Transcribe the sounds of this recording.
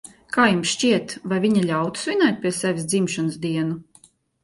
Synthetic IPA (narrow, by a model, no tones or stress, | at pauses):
kaːjumsʃt͡ʃʲiɛt̪vajvʲiɲalʲawt̪u̥svʲinajt̪̚ʲpʲiɛsʲɛvʲisd̪zimʃɔnɨsd̪iɛnu